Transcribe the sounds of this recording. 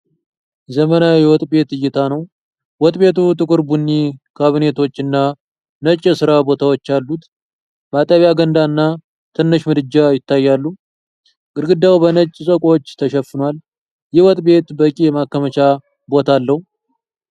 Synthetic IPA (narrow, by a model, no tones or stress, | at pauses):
zəmənawjɛwɔt̪ʼbe̞t̪ɨjːɪt̪ʰanəw | wɔt̪ʼbe̞t̪ut̪ʼɨkʼɨɾbunːikʰaβɨne̞t̪ʰo̞t͡ʃːɨnːa | nət͡ʃʼːɛsɨɾabo̞t̪ʰawot͡ʃːalːut̪ | bat̪ʼəβjaɡənd̪aɨnːa | t̪ʰɨnːɨʃmɨd̪ɨd͡ʒajɪt̪ʰːajːalːu | ɡɨɾɡɨd̪ːawbənət͡ʃʼsʼəkʷʼot͡ʃːt̪ʰəʃɛfːɨnwal | jɛwɔt̪ʼbe̞t̪bəkʼijɛmakːəmət͡ʃa | bo̞t̪ʰalːəhu